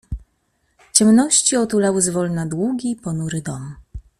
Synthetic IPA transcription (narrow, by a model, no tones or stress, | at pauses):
t͡ɕɛmnɔɕt͡ɕiɔt̪ulawɘzvɔlnad̪wuɡʲipɔnuɾɘd̪ɔm